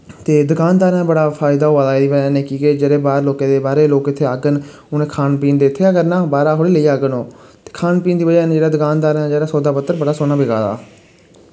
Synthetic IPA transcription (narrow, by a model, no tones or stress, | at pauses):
t̪eːd̪ʊkaːnd̪aːɾɛ̃ːbəɽaːpʰaːɪd̪aːɦoːaːd̪aːd̪iːbəd͡ʒaːneːkiːkeːd͡ʒeːɽeːbaːɾloːkẽːd̪eːbaːɾeːloːkɪt̪ʰːeːaːɡən | ʊnẽːkʰaːnpiːnd̪eːɪt̪ʰːeːəɡəɾnãːbaːɾaːɦoːɽiːləiːaːɡənoːt̪e̥ːkʰaːnpiːnd̪iːbəd͡ʒaːnːd͡ʒeːɽaːd̪ʊkaːnd̪aːɾɛ̃d͡ʒeːɽaːsɔːd̪aːpət̪ːəɾbəɽaːsoːnaːbɪɡa̰ːd̪a̰ː